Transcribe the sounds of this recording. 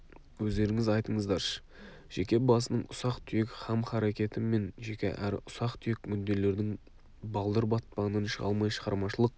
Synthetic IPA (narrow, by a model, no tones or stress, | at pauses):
wɵzd̪e̞ɾɪŋɪzɑjt̪əɴəzd̪ɑɾʃə̥ | ʒ̥ekʲe̞bɑsənəɴʊsɑqt̪ʰʏjekχɑmχɑɾe̞kʲe̞t̪ɪme̞nʒe̞kʲe̞̰ʔæɾʊsɑqt̪ʰʏjek̚ʲmʏnd̪e̞le̞ɾd̪ɪŋ | bɑlˠd̪əɾbɑt̪̚pɑʁnənʃəʁɑ̰lˠmɑjʃəʁɑɾmɑʃəlˠəq̚